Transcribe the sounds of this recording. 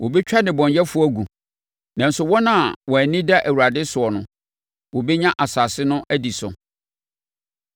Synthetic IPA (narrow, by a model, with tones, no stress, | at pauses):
wo˨bɛ˦t͡ɕᶣa˦nɪ̃˨bɔ̃˨ɲjɛ˦fʊ˦æ˦ɡu˨ | nã˨n̩˦sʊ˨wɔ˦nã˦˨wɔ˨æ˨nĩ˦da˦ʔæ˨wu˨a˨dɪ˦sʊ˨ɔ˨nʊ̃˨ | wɔ˨bɛ˦ɲã˦ʔa˨saː˨sɪ˦nʊ̃˦ʔæ˦di˨sʊ̰˨